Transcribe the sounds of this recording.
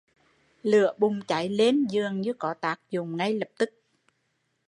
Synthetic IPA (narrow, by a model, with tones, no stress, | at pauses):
lɨ˧˩˨əɓʊ˨˩ŋ͡mt͡ɕa˨˩˦jle˨˦nzɨ˨˩əŋɲɨ˨˧˦kɔ˨˦t̪aː˨˥k̚zʊ˨˩ŋ͡mŋa˧jlə˨˩p̚t̪ɨ˦˥k̚